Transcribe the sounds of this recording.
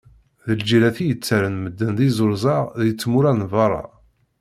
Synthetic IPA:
ðəld͡ʒilæθijət͡sːæɾənməd̪ːənðizʊɾzˤɑʁðjət͡sːmuɾænvɑɾˤɑ̰

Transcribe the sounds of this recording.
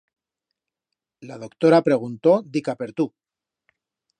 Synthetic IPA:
lað̞o̞kt̪o̞ɾapɾe̞ɣ̞unt̪o̞d̪ikape̞ɾt̪u

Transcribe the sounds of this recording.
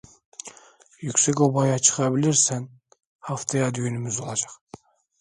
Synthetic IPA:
jykʲsekʲobɑjɑt͡ʃʰə̥χɑbɪlɪɾsæn | hɑft̪ʰɑjɑd̪yjynɪmɪzolˠɑd͡ʒɑq

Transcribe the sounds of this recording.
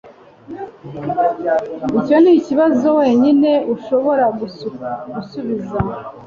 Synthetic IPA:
ico̞niciβazo̞we̞ːɲine̞uʃo̞βo̞ɾa | ɡusuβiza

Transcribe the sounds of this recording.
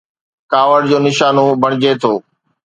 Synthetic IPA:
kaːʋəɽd͡ʑoːnɪʃaːnobʱɐɽ̃ɪd͡ʑet̪ʰoː

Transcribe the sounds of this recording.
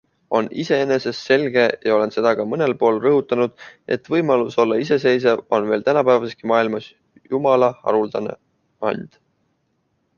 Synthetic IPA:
o̞nise̞ene̞se̞sːe̞lɡ̥e̞jɑo̞le̞nse̞d̪̥ɑkɑmɤne̞lpo̞ːlrɤɦut̪ːˑɑnud̪̥ʔe̞̰t̪ːˑvɤjmɑluso̞lːɑise̞se̞js̬evo̞nve̞ːlt̪ænɑpæːvɑseskimɑːilmɑs | jumɑlɑɑ̰ɾuld̪̥ɑne̞̰ | ɑ̰nʲd̪̥

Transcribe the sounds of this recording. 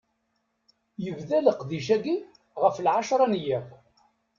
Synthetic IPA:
jəvðæləqðiʃæɡi | ʁəflʕaʃɾˤɑnjəʁ

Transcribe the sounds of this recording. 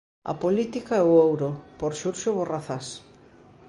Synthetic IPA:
ɐ̰polit̪ikaɛʊowɾopoɾʃuɾʃoβoraθas

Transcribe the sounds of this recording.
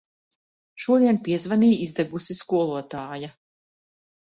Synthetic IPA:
ʃuɔd̪iɛnpiɛzvaniːizd̪ɛɡusiskuɔlˠuɔt̪aːja

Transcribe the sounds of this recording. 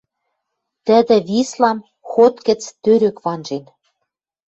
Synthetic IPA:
t̪ə̆d̪ɘ̆βislɑm | xot̪kə̆t͡st̪øɾø̆kβɑnʒen

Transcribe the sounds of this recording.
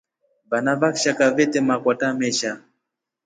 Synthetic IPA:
vanavakʃakavɛtɛmakwatamɛʃa

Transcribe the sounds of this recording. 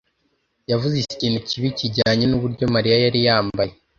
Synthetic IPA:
javuzisi̥cinucʰiβiciɟaːɲenuβuɾɟo̞maɾijajaɾijaːmbaje

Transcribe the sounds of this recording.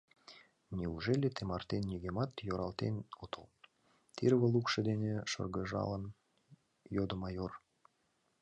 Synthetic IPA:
nʲiuʒelʲet̪emɑrt̪enːiɣemɑt̪joɾɑlt̪ḛnot̪əl | t̪irβəlukʃə̆d̪eneʃə̰rɣəʒɑ̰lən | jod̪əmɑjor

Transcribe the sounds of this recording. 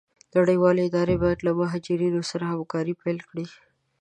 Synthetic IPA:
laɽəjwɑleɪd̪ɑɾebɑjad̪lamʊɦɑd͡ʒɪɾinosaɾahamkɑɾipajlkɽi

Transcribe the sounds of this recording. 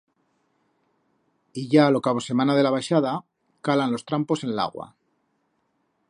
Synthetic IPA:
iʝaːlo̞kaβ̞o̞se̞mãnaðe̞laβaʃaða | kalanlo̞st̪ɾampo̞se̞nla̰ɣwa̰

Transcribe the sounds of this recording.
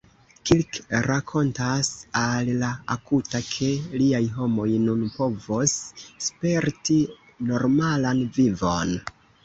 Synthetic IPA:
kilkɾakʰo̞ntasallaakutakʰe̞liajɦo̞mo̞jnunpo̞vosːpe̞ɾti | no̞ɾmalanvivo̞̰n

